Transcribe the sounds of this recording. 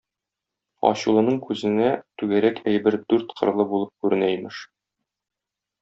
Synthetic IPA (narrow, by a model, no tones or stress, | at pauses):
ɒ̰ɕulˠɤ̆nɤɴkʉzɘ̆næt̪ʉɡæɾækʰæjbɘɾd̪ʉɾt̪qʰɤ̆ɾlˠɤbulˠɤp̚kʉɾɘ̆næjmɘʃ